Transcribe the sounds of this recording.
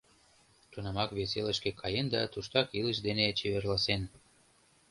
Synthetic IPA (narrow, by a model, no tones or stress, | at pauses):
t̪unɑmɑkβeseləʃkekʰɑjend̪ɑ̰t̪uʃt̪ɑkiləʃd̪enet͡ɕeβerlɑsen